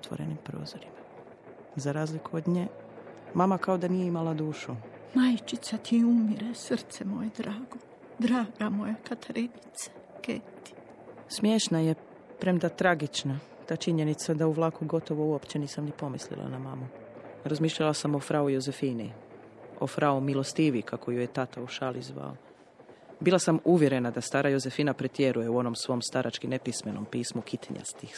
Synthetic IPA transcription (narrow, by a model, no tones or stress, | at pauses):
ot̪ʋoɾḛnimpɾo̞̰ːzoɾima | zaɾaːzlikʰuod̪ɲeː | mamakao̞d̪anijeimalad̪uːʃumajt͡ʃit̪sat̪ʰiumiɾesr̩t̪semojed̪ɾaːɡ̥o | d̪ɾaːɡ̥amojakat̪ʰaɾini̥t̪sḁket̪i̥ | smjeːʃnaje | pɾemd̪at̪ɾaɡit͡ʃna | t̪aːt͡ʃiɲe̞nit̪sad̪auʋlˠakuɡo̞t̪o̞ʋo̞uopt͡ɕe̞niːsamnipo̞mislḭlˠa̰namaːmu | ɾazmiːʃʎalasamo̞fɾaujo̞ze̞fini | o̞̰fɾʔaumilost̪iʋikʰakʰojujet̪at̪auʃalizʋa̰la | biːlˠasamuʋje̞ɾe̞nad̪ast̪aːɾajo̞ze̞fiːnapɾet̪jeɾuje̞uo̞no̞msʋo̞mst̪aɾʔat͡ʃkine̞pisme̞nompiːsmukʰit̪iɲa̰st̪i